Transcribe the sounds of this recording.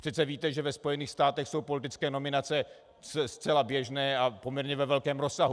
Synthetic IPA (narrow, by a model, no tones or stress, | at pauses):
pr̝̥ɛt̪t͡sɛviːt̪ɛʒɛvɛspo̞jɛniːxst̪aːt̪ɛxso̞wpo̞lɪt̪ɪt͡skɛːno̞mɪnat͡sɛ | sɛst̪t͡sɛlabjɛʒnɛːʔapo̞mɲɛɾɲɛvɛvɛlkɛːmɾo̞sːaɦu